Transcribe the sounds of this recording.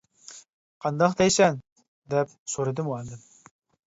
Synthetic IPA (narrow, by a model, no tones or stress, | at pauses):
qʰɑnd̪ɑqd̪ɛjsɛn | d̪ɛp̚soɾɨd̪ɨmuɑnd̪ɨm